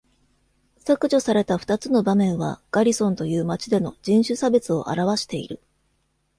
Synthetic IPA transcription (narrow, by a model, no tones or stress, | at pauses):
sakɯ̟ʑo̞saɾe̞t̪aɸɯ̥t̪at͡sɨno̞bamẽ̞ɰ̃βa̰ɡ̥aɾʲisõ̞nt̪o̞jɯ̟ːmat͡ɕid̪e̞no̞d͡ʑĩɰ̃ɕɨsabe̞t͡sɨo̞̰ʔa̰ɾaβ̞aɕi̥t̪e̞ḭɾɯ̟